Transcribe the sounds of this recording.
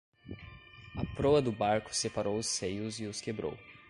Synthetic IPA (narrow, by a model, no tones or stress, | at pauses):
ɐpɾoɐd̪ʊbaɾkʊ̥sepaɾʔowʊsejʊzɪʊskebɾo̰w